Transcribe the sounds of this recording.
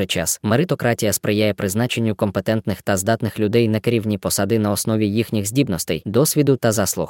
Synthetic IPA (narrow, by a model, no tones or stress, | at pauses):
ɛt͡ʃɑ̰smeɾɪt̪ɔkɾɑtʲijɐspɾɪjajɛpɾɪznɑt͡ʃe̞nʲːʊkɔmpet̪ɛnt̪nɪxt̪ɐzd̪ɑt̪nɪxlʲʊd̪ɛjnɐkeɾʲiwnʲipɔsɑd̪ɪnɐɔsnɔʋʲijixnʲixzʲdʲibnɔst̪ɛjd̪ɔsʲʋʲid̪ʊt̪ɐzɑslˠʊ̰